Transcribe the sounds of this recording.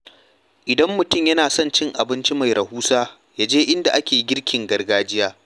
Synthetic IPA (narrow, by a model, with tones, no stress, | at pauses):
ʔɪ˨dɐ˦mːʊ˨tʊ˦mjɐ˦naː˨sɔ˦nt͡ʃɪ˦ŋʔa˨bɪ˦nt͡ʃi˦ma˨jɾʔɐ˨huː˦saː˦ | jaː˦d͡ʒeː˦ʔɪ˦nda˨ʔa˦kʲeː˨ɡʲɪ˦ɽkʲɪ˨ŋɡɐ˦rɡaː˦d͡ʒɪ˦jaː˦